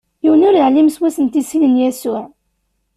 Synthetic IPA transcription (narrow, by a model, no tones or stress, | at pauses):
jiwənʊɾjəʕlimswæsənt̪isinənjæsʊʕ